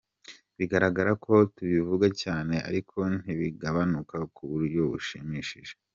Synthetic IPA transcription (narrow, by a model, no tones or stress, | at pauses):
βiɡaɾaɡaɾakʰo̞tuβivuɡacaːne̞ʔa̰ɾikʰo̞n̥iβiɡaβanukakuβuɾɟo̞βuʃimiːʃiʒe